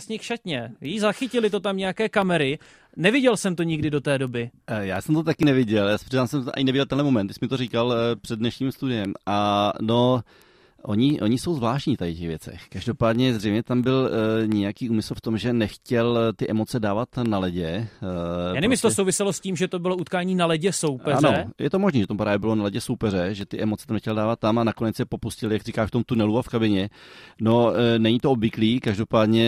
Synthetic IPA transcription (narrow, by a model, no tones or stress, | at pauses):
sɲɛxʃacɲɛjijzaxɪcɪlɪt̪o̞t̪amɲɛjakɛːkamɛɾɪ | nɛvɪɟɛlsɛmt̪o̞ɲɪɡdɪdo̞t̪ɛːdo̞bɪjaːsɛmt̪ot̪akɪnɛvɪɟɛljaːsprizaːmsɛmʔa̰ɲɪnɛvɪɟɛlt̪ɛnlɛmo̞mɛnɪsɛmɪt̪oɾiːkalpr̥ɛdnɛʃɲiːmst̪udɪjɛmano | ʔoɲɪʔo̞ɲɪso̞wzvlaːʃtɲiːft̪ajɪcɛɣvjɛt͡sɛ̰xkaʒdo̞paːdɲɛzrɛjmɲɛt̪ambɪlɲɛjakiːuːmɪsl̩ft̪o̞mʒɛnɛxcɛlt̪ɪʔɛmo̞t͡sɛdaːvat̪nalɛɟɛ | ɛnɪmɪst̪osowvɪsɛlosciːmʒɛt̪obɪlout̪kaːɲiːnalɛɟɛsowpɛanoɛjɛt̪omoʒniːʒɛt̪amupɾaːvjɛbɪlo̞nalɛɟɛsowpɛɾɛʒɛt̪ɪʔɛmot͡sɛ̥t̪amnɛxcɛldaːvat̪ːamanako̞nɛt͡sjɛpo̞puscɪlɪjaɡrikaːʃft̪o̞mt̪unɛluafkabɪɲɛnonɛɲɪt̪oobvɪkliːkaʒdo̞paːdɲɛ